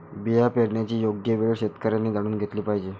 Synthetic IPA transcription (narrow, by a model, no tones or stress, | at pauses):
bijapeɽɳjat͡ɕiːjoɡjəʋeɭɕet̪kəɾjanːiːd̪aɽ̃uːnɡʱet̪liːpaɦid͡ʑe